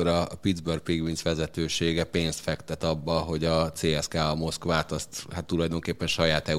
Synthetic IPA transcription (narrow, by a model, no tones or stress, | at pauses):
oɾɒpid̪zbørk̚piɡʋinsʋɛzɛt̪øːʃeːɡɛpeːnst̪fɛkt̪ɛt̪ɒbːɒɦo̞ɟɒt̪seːɛskaːɒmo̞skʋaːt̪ɒst̪hat̪ːulɒjd̪o̞ŋkeːpːɛnʃɒjaːt̪ɛ